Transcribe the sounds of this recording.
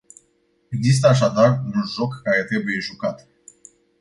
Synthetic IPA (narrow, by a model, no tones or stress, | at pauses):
e̞ɡzis̬t̪əaʃ̬ad̪arunʒo̞kːaɾe̞t̪ɾe̞buje̞ʒukat̪